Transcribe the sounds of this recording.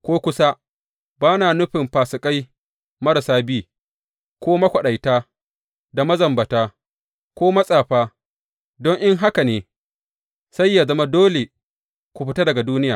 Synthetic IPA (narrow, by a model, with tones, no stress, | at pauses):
kʷoː˦kʷʊ˦sa˦ | baː˦naː˨nʊ˦ɸɪ˨mɸaː˨sɪ˨kʼa˦j | mɐ˦ɾɐ˨saː˦biː˦ | kʷoː˦mɐ˦kʷɐ˨ɗɐ˨jtaː˦ | da˨mɐ˦zɐ˨mbɐ˨taː˦ | kʷoː˦mɐ˦sʼaː˨ɸaː˦ | dɔ˦ŋʔɪ˦ŋɦa˦ka˨neː˨ | sa˦jːaː˨zɐ˦ma˦doː˦le˨ | kʷu˨ɸɪ˦ta˦dɐ˨ɡa˨duː˦nɪ˦jaː˨